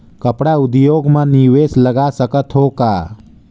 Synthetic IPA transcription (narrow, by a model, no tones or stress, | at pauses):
kəpɽaʊd̪joːɡmãniwesləɡasəkət̪ɦoːkaː